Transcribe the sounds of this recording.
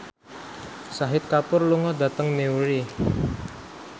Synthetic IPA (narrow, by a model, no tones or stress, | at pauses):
saɦɪt̪̚kapʊrluŋɔd̪a̤t̪əŋnewɾi